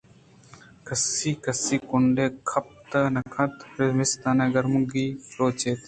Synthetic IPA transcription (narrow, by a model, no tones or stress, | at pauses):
kɐsiːkəsiːkʊɳɖeːkʰɐp̚t̪ənɐkʰɐt̪ɾɪmɪst̪aːneːɡɐɾmʊɡiːɾoːt͡ʃeːt̪